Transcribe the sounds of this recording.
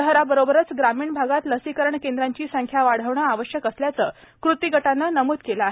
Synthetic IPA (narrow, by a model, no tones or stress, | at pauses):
əɦɾabəɾobəɾət͡sɡɾamiːɳbʱaɡat̪ləsikəɾəɳkend̪ɾaɲt͡ɕiːsəŋkʰjaʋaɽ̤əʋɳəaʋəɕjəkəsljat͡səː | kɾut̪iɡəʈanːənəmuːd̪kelaɦ